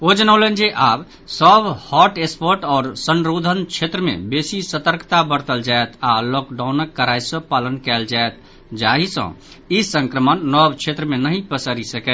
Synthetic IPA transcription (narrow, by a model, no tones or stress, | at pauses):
od͡ʒənəʊlənd͡ʒeʔab | səbhɔʈespəɾʈɔːɾsənɾod̪ʱənt͡ʃʰet̪ɾəmḛbesisət̪əɾkt̪abəɾt̪əld͡ʒaet̪ʰalɔkɖawnəkːəɾajsə̃palənkɛld͡ʒaet̪̚ | d͡ʒaɦisə̰̃ | isə̃ŋkɾəmənːɔbt͡ʃʰet̪ɾəmenəɦĩpəsəɾisəkɛt̪